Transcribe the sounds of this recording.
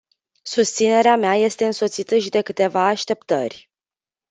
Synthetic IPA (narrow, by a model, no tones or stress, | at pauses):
sust̪sine̞ɾeameaje̞st̪e̞ɨnso̞t̪sit̪əʃid̪e̞kɨt̪e̞vaːʃt̪e̞pt̪ə̰rʲ